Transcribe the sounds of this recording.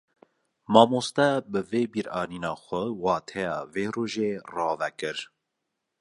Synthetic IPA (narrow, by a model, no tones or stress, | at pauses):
mɑːmoːst̪ɛbɨveːbiːɾɑːniːnɑːxʷɛwɑːt̪ʰɛjɑ̰ːveːroːʒeːrɑːvɛkɨɾ